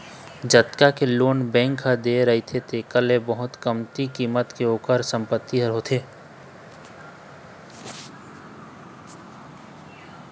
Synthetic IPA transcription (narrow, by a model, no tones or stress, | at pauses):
d͡ʒət̪kakeloːnbɛ̃ːŋkɦəd̪eːɾɐɦit̪ʰet̪eːkəlebəɦʊt̪kəmt̪ikiːmət̪keoːkəɾsə̃mpət̪ːiɦəɾɦot̪ʰeː